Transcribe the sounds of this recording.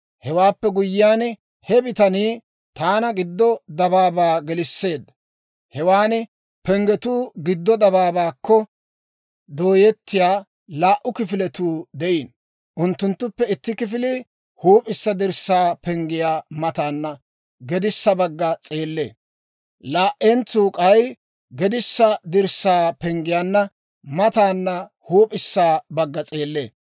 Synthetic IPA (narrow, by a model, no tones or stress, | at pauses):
hɛwaːpːɛɡʊjːɪjaːn | hɛbɪt̪ɐniː | t̪aːnɐɡɪd̪ːɔd̪ɐβaːbaːɡɛlɪsːe̞ːd̪ːɐ | hɛwaːn | pɛŋɡɛt̪uːɡɪd̪ːɔd̪ɐbaːbaːkːɔ | d̪oːjɛt̪ːɪjaː | laːʔʊkɪfɪlɛt̪uːd̪ɛʔiːn | ʔʊnt̪ːʊnt̪ːʊpːɛɪt̪ːɪkɪfɪlɪ | huːpʼɪsːɐd̪ɪɾsːaːpɛŋɡɪjaːmɐt̪aːnːɐ | ɡɛd̪ɪsːɐbɐɡːɐt͡sʼeːlːe̞ː | laːʔɛnt͡suːkʼɐj | ɡɛd̪ɪsːɐd̪ɪɾsːaːpɛŋɡɪjaːnːɐ | mɐt̪aːnːɐ | huːpʼɪsːaːbɐɡːɐt͡sʼeːlːeː